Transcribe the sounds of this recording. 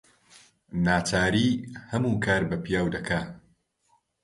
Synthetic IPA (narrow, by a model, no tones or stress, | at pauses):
naːt͡ʃaːɾiːhɐmuːkʰaːɾbɐpʰijaːwd̪ɐkʰaː